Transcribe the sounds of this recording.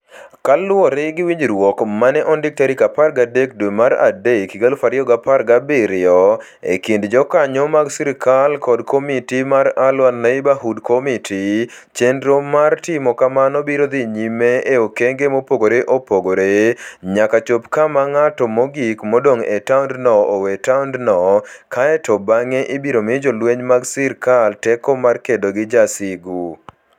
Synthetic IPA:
kalwɔɾɪɡɪwiɲɾwɔkmanɛʔɔndɪk̚taɾikaparɡadek̚dwemaɾa̰dekiɡalfaɾɪɔɡapaɾɡabɪɾɪɔ | ḛkindd͡ʒɔkaɲɔmaɡsiɾikalkɔdkʰomitimaɾalwalnaibaɦudkomitʰit͡ʃendɾomartɪmɔkamanɔbiɾod̪iɲimeʔeokeŋɡemopoɡoɾeʔopoɡoɾeɲakat͡ʃopkamaŋatɔmoɡikmodoŋetawndnɔowetawndnɔkaɛtɔbaŋeʔɪbiɾomɪd͡ʒolweɲmaɡsɪɾkaltɛkɔmarkedoɡɪd͡ʒasɪɡu

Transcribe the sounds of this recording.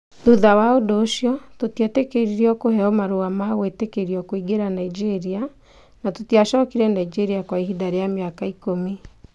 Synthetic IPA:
ðuðawaodoːʃjɔtotjɛtekeɾiɾiɔkoɦɛɔmaɾoamawetekeɾiɔkoiɡeɾanaid͡ʒeɾia | natotiaʃɔkiɾɛnaid͡ʒeɾiakwaiɦidaɾejameakaikomi

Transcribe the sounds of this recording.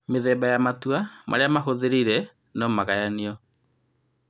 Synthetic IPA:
meðɛbajamatwamʔa̰ɾeamaɦoðeɾiɾɛ | nɔmaɣajaniɔ

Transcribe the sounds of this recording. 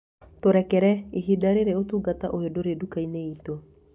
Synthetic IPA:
toɾɛkɛɾɛeɦidaɾeɾeotuːɡataʔohedoɾedukaineito

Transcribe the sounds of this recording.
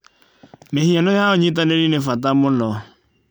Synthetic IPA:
mehianʊjaoɲĩt̬aneɾinefat̬amʊnɔ

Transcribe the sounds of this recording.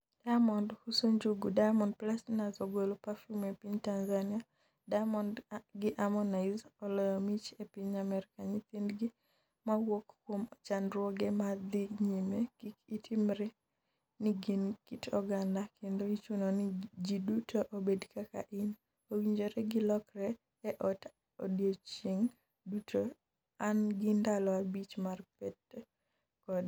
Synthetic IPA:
d̥amɔndhusoɲd͡ʒuɡudajmɔnd̚plasnazoɡolopafumepiɲtanzania | damɔndɡɪʔamɔnaɪzɔlɔjɔmit͡ʃepiɲamɛɾɪkaɲit̪indɡi | mawokːwomɔt͡ʃanɾwɔɡɛmad̪iɲimekikitʰimɾɛ | niɡinkitɔɡandakendoit͡ʃunonid͡ʒidutʰoʔobedkaka̰ʔɪn | owiɲd͡ʒoɾɛɡɪlɔkrɛː | ʔɔt | o̰djot͡ʃiŋ | dutʰo | anɡɪndalɔabit͡ʃmarpɛt | kɔd

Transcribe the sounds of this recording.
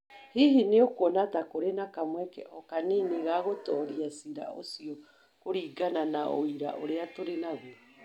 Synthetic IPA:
hiɦineokonatakoɾenakamwɛkɛ̰ʔɔkaneneɣaɣotɔːɾiasiɾa̰ʔo̰siɔ | koɾiːɡananao̰iɾa̰ʔoɾeatoɾenaɣwa

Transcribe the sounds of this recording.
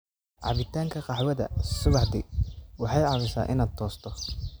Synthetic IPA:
ʕɑ̰βɪt̪ʰaːŋkʰɐqɑħwɐðɐ̰sʊβɑħd̪ɪwɑħɑjʕɑβɪsa̰ːʔɪ̰naːd̪̚t̪ʰɔːst̪ʰɔ

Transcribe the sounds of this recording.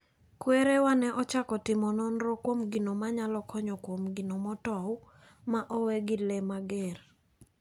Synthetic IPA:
kweɾewanɛʔɔt͡ʃakɔtɪmɔnɔnɾɔkwomɡinomaɲalɔkʰɔɲɔkwomɡɪnomɔtɔw | maʔɔwɛɡɪlɛmaɡɛr

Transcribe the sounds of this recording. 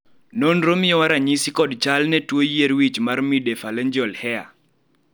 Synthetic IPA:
nonɾomɪjɔwaɾaɲisikɔdt͡ʃalnɛtwojeɾwit͡ʃmarmidefalɛɲd͡ʒɔlhɛa̰

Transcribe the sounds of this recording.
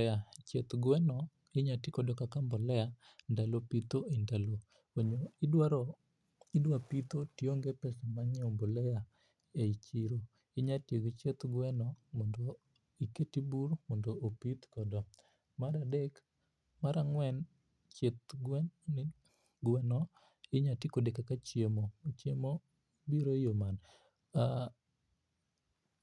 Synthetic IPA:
at͡ʃet̪ɡwɛnɔ | ɪɲatikɔdɔkakambɔlɛa | ndalopit̪oendalo | eɲoidwaɾɔ | ɪdwapit̪otjoŋɡepɛsɛmaɲɛombolɛja | eit͡ʃiɾo | ɪɲatjeɡt͡ʃet̪ɡwɛnɔmɔndo | iketibuɾmɔndoʔːpit̪kɔdɔ | madadek | maɾaŋwɛn | t͡ʃet̪ɡ | ɡwɛnɔ | ɪɲatikodekakat͡ʃjemot͡ʃjemo | biɾojoman | a

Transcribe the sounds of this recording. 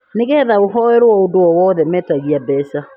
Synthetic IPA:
nɪɣɛðaoɦɔeɾwɔodoɔwɔðɛmɛtaɣiabɛsa

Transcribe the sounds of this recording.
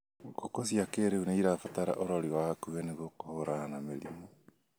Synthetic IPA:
ɡokosiakeːɾeuneiɾafataɾa̰ʔoɾɔɾiwahakuɛneɣokohoɾaanameɾḭmo

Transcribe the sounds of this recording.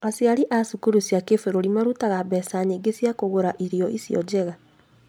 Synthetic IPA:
asjaɾiʔasukuɾusjakefeɾoɾimaɾutaɣaβɛːsaɲeɡesjakoɣoɾaʔiɾjɔʔisjɔ̰d͡ʑɛɣa

